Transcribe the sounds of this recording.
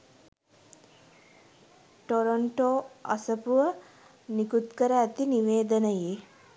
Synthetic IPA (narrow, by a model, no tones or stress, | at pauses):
ʈoɾoɳʈoɐ̰səpuʋə | nikut̪kəɾəæt̪iniʋeːd̪ənəje